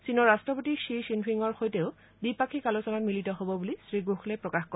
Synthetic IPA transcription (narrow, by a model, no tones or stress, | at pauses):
sinɔɹːastɹɔpotiʃiʃinpʰiŋɔɹxojteʊ | bipakʰikalosɔnatmilitɔɦobɔbulisɹiɡoxlɛpɹɔkaxkɔ